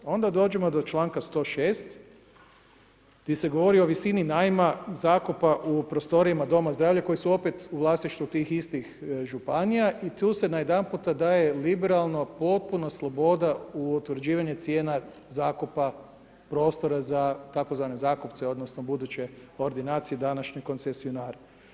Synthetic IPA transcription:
o̞nd̪ad̪o̞ːd͡ʒe̞mo̞d̪o̞t͡ʃlˠaːŋkast̪o̞ːʃeːst̪ | ɡd̪ise̞ɡo̞ʋo̞ɾio̞ʋisininajmazaːkupaʔupɾost̪o̞ɾiamad̪o̞mazd̪ɾaːʋʎako̞jisuo̞pet̪uʋlˠaːst̪iʃt̪ʋut̪iːxist̪ixʒupanijaʔit̪uːse̞najed̪anput̪ad̪aːje̞libeɾalˠno̞po̞t̪̚punoslˠo̞bo̞d̪auot̪ʋɾd͡ʑiːʋaɲet̪sje̞ːna | zaːkupa | pɾo̞ːst̪o̞ɾazat̪ako̞zʋaːne̞zaːkupt̪seo̞d̪nosno̞bud̪ut͡ɕe̞oɾd̪inaːt̪sijed̪anaʃɲoko̞ntsesionaːɾa

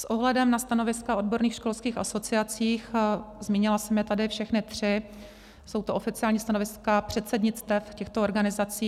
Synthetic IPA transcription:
sʔo̞ɦlɛdɛmnast̪ano̞vɪskaʔo̞dbo̞ɾniːxʃko̞lskiːxaso̞t͡sɪat͡siːxzmiːɲɪlasɛmjɛt̪adɪfʃɛxnɪt̪r̝̥ɪ | so̞wt̪oofɪt͡sɪaːlɲiːst̪ano̞vɪskapr̝̥ɛt̪sɛdɲɪt͡st̪ɛfcɛxt̪ooɾɡanɪzat͡siː

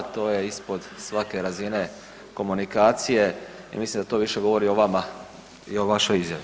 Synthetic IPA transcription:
t̪o̞ːje̞ispo̞d̪sʋake̞ɾazine̞ | ko̞munikaːt̪sije̞ | ḭmislimd̪at̪o̞ʋiʃe̞ɡo̞ʋo̞ɾio̞ʋama | io̞ʋaʃo̞jizja̰ʋi

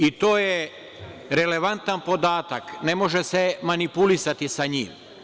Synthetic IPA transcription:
it̪oːje | ɾe̞le̞ʋant̪anpo̞d̪aːt̪akne̞mo̞ʒese̞manipulisat̪isaɲḭːm

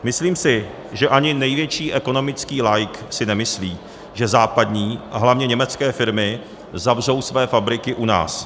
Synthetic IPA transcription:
mɪsliːmsɪ | ʒɛʔaɲɪnɛjvjɛt͡ʃiːʔɛko̞no̞mɪt͡skiːlajksɪnɛmɪsliː | ʒɛzaːpadɲiːʔaɦlavɲɛɲɛmɛt͡skɛːfɪɾmɪ | zavr̝owsvɛːfabɾɪkɪʔuna̰ːs

